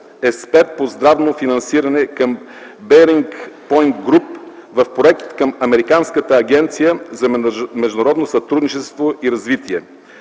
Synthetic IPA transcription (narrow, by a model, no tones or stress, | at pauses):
ɛspɛɾt̪̚pozd̪ɾavnofinɐnsiɾɐnɛkəm | bɛɾiŋkpɔjnt̪ɡɾupvɐfpɾoɛk̚t̪t̪kəmɐmɛɾikanskət̪əːɡ̟ʲɛnt̪sijəzɐmɛʒd̪ʊnɐɾɔd̪nosɐt̪ɾud̪nit͡ʃɛst̪voʔiɾɐzvit̪iɛ